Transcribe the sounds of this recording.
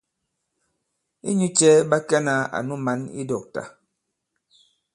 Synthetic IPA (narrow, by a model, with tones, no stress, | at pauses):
ḭ˦ɲu˦t͡ʃɛ˦ba˦kɛ˦na˨˦a̰˨nu˦ma˦ni˦dɔ˨k̚ta̰˨